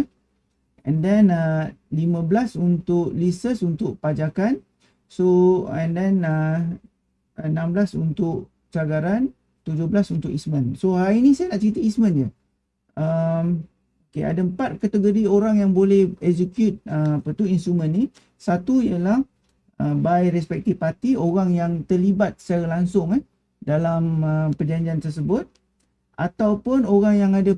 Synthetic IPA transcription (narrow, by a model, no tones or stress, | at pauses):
ɛ̰̃ndɛnəlimə̃blasunt̪ʊk̚lisəsunt̪ʊʔpad͡ʒakan | soɛ̃ndɛ̃nə | nãmblasunt̪ʊʔ | t͡ʃaɡaɾan | t̪ud͡ʒʊhblasunt̪ʊkismə̃nsoɦainisajanaʔt͡ʃəɾit̪əismə̃nd͡ʒə | əm | okḛa̰daəmpat̪̚kat̪əɡoɾioɾaŋjaŋbolɛhɛsekjut̪̚əapət̪uinsumə̃nːi | sat̪uijəlah | əbajɾɛspɛk̚t̪ifpat̪ioɾaŋjaŋt̪ərlibat̪̚salaŋsʊŋa | dalaməpəd͡ʒaɲd͡ʒiant̪ərs̬əbʊt̪̚ | ʔa̰t̪awpʊnoɾaŋjaŋada